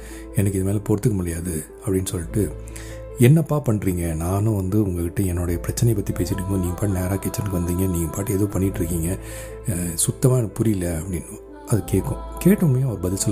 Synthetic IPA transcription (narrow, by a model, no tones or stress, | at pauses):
ɛnɐkːɯɪðɐmeːlɐpɔɾɯt̪ːɯkːɯmʊɽɐjaːðɯ | ɐpːɐɽɪnːɯsɔlːɪʈːɯ | ɛnːɐpːaːpɐɳːɾiːŋɡɐnaːnʊ̃ʋɐnd̪ɯʊŋɡɐkɪʈːɐɛnːoːɽɐjɐpɪɾɐt͡ʃːɐnɐjpːɐt̪ːipeːsɪʈːɯkːŋɡõːniːŋɡɐpaːʈɯneːɾaːkeːt͡ʃːɐɾnɯkɯʋɐnd̪iːŋɡɐniːŋɡɐpaːʈːɯɛðoːpɐɳːɪʈːɾɯkːiːŋɡɐ | sʊt̪ːɐmaːnpʊɾɪɪlːɐɐpːɐɽɪnː | ɐðɯkeːʈkːʊ̃keːʈːɯmɐjõɐɐɾɯbɐðɪlsɔl